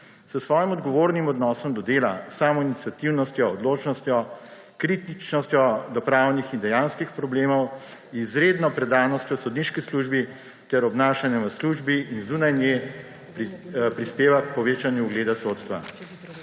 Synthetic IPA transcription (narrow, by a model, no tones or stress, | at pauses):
səsʋɔːjimɔd̪ɡɔʋoːɾnimɔd̪nɔːsɔmd̪ɔd̪eːlasaːmɔinit̪sjat̪iwnɔst̪jɔːd̪loːt͡ʃnɔst̪jɔ | kɾit̪it͡ʃnɔst̪jɔd̪ɔpɾaːwnixind̪ɛjaːnskixpɾɔbleːmɔwizɾeːd̪nɔpɾɛd̪aːnɔst̪jɔsɔd̪niʃkisluːʒbi | t̪ɛɾɔbnaːʃanjɛʋəsluʒbiinzuːnajnjɛ | ppɾispeːʋakpɔʋeːt͡ʃanjuːɡleːd̪asot̪st̪ʋa̰